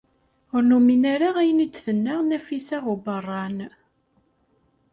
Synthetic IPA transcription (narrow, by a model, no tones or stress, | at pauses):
ʊɾnuminæɾaʁæjənit͡sːθənːæʁnæfisæʁubərˤːɑn